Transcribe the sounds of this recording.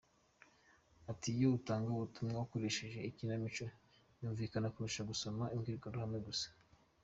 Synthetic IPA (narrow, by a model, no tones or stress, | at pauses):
atijoutaːŋɡauβutumŋawakoɾe̞ʃe̞ʒe̞icinamit͡ʃo | juːɱviːkanakuɾuʃaɡuso̞maimɡiːɾɡandohamŋeɡusḁ